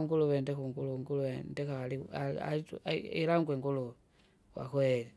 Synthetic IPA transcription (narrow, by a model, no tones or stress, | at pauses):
uŋɡuluβendekuŋɡuluŋɡuluwendekaaliaa̰ituilaŋɡweŋɡulu | wa̰kweli